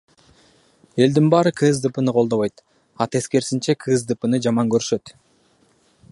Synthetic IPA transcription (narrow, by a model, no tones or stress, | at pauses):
e̞ld̪inbɑːɾɯkʰɯzd̪ɯpɯnɯqʰo̞lˠd̪o̞βojt̪ | ɑt̪e̞ske̞ɾsint͡ʃe̞kʰɨzd̪ɯpɯnɯd͡ʒɑmɑŋɡøɾʃø̞t̪